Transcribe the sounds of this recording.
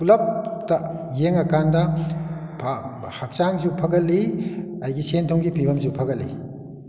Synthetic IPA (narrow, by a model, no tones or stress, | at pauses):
pulɐp̚tɐjeŋɐkandɐ | pʰa | hak̚t͡ʃaŋzupʰɐɡɐlːiɐjɡisentʰɔŋɡipʰibɐmzupʰɐɡɐlːḭ